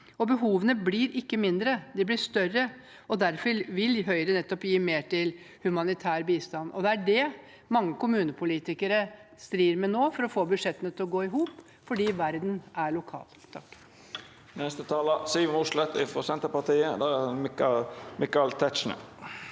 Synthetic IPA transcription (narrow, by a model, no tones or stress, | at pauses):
ɔbəɦuːʋənəblɪːɾɪkːəmɪnd̪ɾəd̪ɪblɪʂt̪œrːə | ɔd̪æɾfɔɾʋɪlɦœʏɾənɛt̪ːɔpjiːmeːʈʰɪl | hʉmɑnɪt̪ʰæːɾbiːst̪ɑnɔ̰d̪ɛæɖɛ | mɑŋːəkʰʊmʉːnəpʰʊliːt̪ɪkəɾəst̪ɾiːɾmɛnoːfɔɾɔfoːbʉd̪ʂɛt̪ːənət̪ʰɪlɔɡoːɪɦuːp | fɔɖiːʋæɾd̪næɭʊkʰɑ̰ːlt̪ʰɑkː | nɛst̪ət̪ʰɑːləsyːʋənuːʂlɛt̪ːɪ̰fɔsɛnt̪əɾpɑt̪iːəd̪ææ | mɪkɑlt̪ʰɛtt͡ʃɳə̰